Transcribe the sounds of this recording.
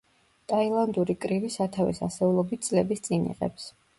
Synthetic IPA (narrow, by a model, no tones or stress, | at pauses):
t̪ʼailˠand̪uɾikʼɾivisat̪ʰavḭsa̰sɛulˠɔbit̪̚ʰsʼlɛbist̪sʼinḭʁɛ̰ps